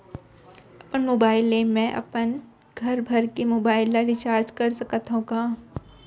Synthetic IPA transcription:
ɐpənmoːbaːɪlemɛ̃ʔɐ̰pən | ɡʱɐɾbʱɐɾkemoːbaːɪlːaɾit͡ʃaːɾd͡ʒkɐɾsɐkət̪ɦõɡaː

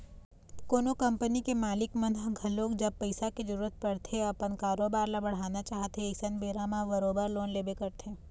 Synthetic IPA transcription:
koːnokɐ̃mpənikemaːlɪkmə̃nd̪ɦɡʱɐloːkd͡ʒɐb̚pəɪsakid͡ʒəɾuːɾət̪̚pɐɽt̪ʰeɐpənkaːɾoːbaːɾlabɐɽ̤aːnat͡ʃaːɦt̪eːsənbeːɾãmãbəɾoːbəɾloːnleːbekɐɾt̪ʰẽː

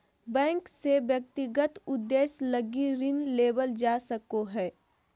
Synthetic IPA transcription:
bɛ̃ːŋkseʋjək̚t̪ɪɡət̪ʊd̪ːeːsləɡiɾɪnleːbəld͡ʒaːsəkoɦɛː

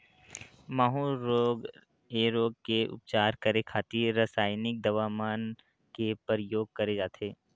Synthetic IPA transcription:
maːɦuɾoːɡ | eɾoːɡ̚keʊ̰p̚t͡ʃaːɾkɐɾekʰaːt̪iɾɐsaːjnɪk̚d̪ɐʋaːmaːn | kepɾjoːɡ̚kɐɾed͡ʒaːt̪ʰeː

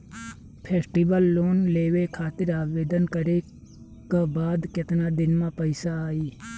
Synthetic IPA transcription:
pʰeːsʈiʋəlːoːnleːʋekʰaːt̪ɪɾaːʋeːd̪ənkəɾe | kabaːd̪kɪt̪nad̪ɪnmãpəɪsaːiː

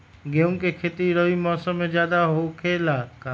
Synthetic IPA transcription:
ɡeũŋkekʰeːt̪iɾəʋimɔːsəmːẽd͡ʒjaːd̪aɦokʰeːlaːkaː

